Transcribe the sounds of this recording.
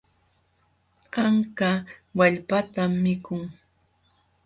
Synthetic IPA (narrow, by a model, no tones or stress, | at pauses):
ɢɑŋkawaʎpat̪amːɪkʊŋ